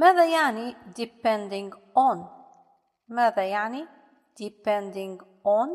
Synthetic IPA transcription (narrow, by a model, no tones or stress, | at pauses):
maːðajaʕnid̪ɪpɛ̃nd̪ɪ̃ŋɡʔɔn | maːðajaʕni | d̪̥ɪpɛnd̪ɪ̃ŋɡʔɔn